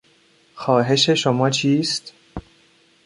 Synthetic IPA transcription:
xɒːɦe̞ʃe̞ʃomɒːt͡ʃʰiːst̪

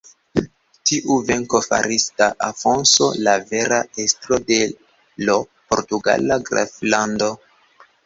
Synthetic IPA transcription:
tiʔuve̞ŋko̞fa̰ɾisdaʔafo̞nso̞̰lave̞ɾaestɾo̞de̞ | lo | po̞ɾtuɡa̰laɡɾa̰flando̞

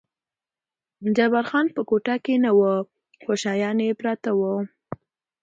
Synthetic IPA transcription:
d͡ʒabaɾxɑnpəkoʈakenawə | xoʃɑjɑnjepɾɑt̪awə

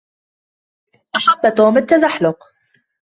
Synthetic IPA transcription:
ʔaħabːt̪oːmat̪ːazaħlʊq

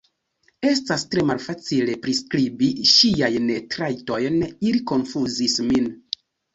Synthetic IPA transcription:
e̞stastɾe̞malfat͡sile̞pɾiskɾibiʃijajntɾajto̞jniliko̞nfuzismin

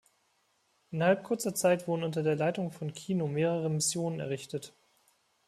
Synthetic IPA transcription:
ʔɪnhalp̚kʰʊɐt͡sɐt͡saɪtv̥ʊdn̩ʊntɐdeːɐlaɪtʊŋfɔnkʰiːnomeːʁ̞əʁəmɪsjoːnənɛ̰ɐʁɪçtət

